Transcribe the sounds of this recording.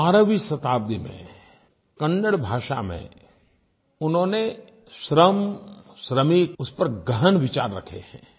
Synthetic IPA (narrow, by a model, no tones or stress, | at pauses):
aːɾəʋisɐt̪aːb̚d̪imḛ̃ | kɐ̃nːəɽbʱaːʃa̰mḛ̃ | ʊnɦõːne | ʃɾəmʃɾəmiʊspɐɾɡəɦənʋɪt͡ʃa̰ːɾːɐ̰kʰḛhɛ̰̃ː